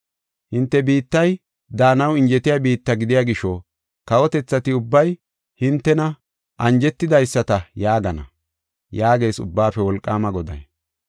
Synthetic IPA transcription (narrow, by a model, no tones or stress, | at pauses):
hɪnt̪ːɛbiːt̪ːɐj | d̪aːnɐwɪnd͡ʒɛt̪ɪjaːbiːt̪ːɐɡɪd̪ɪjaɡɪʃɔ | kɐwɔt̪ɛt͡sːɐt̪ɪʊbːɐj | hɪnt̪ːɛnɐ | ʔɐnd͡ʒɛt̪ːɪd̪ɐjsːɐt̪ɐjaːɡɐnɐ̰ | jaːɡe̞ːsʊ̰bːaːfɛwɔlkʼːaːmɐɡɔd̪ɐ̰j